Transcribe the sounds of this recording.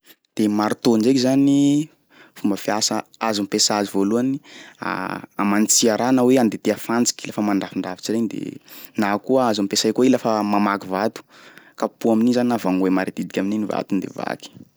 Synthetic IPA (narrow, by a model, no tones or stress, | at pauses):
d̪̥emaɾut̪ond͡ʒekizani | fumbəfiasəazumpesazivoluania̰a̰manit͡siaɾanaweand̪et̪eafand͡zi̥kʲilafəmaɳɖ͡ʐafiɳɖ͡ʐafi̥t͡ʃiɾend̪ḛnakuəazamipesajkoilafəmamakivat̪u̥kapuaminizaninavaŋwemaɾid̪̥id̪ikʲamininiva̰t̪und̪ḛva̰ki̥